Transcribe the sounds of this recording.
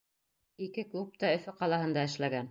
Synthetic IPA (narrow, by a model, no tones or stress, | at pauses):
ikɘklˠup̚t̪ɑɵ̆fɵqɑlˠɑhɤ̆nd̪ɑɘ̆ʃlæɡæn